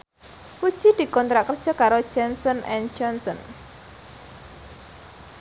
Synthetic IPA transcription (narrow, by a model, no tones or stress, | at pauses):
ku̥ʒ̥id̪̥i̤kɔnt̪ɾakə̥ʒ̥ɔ̤kaɾo̥ʒ̥ɛnsɔnʔɛn̥d͡ʒɔnsɔn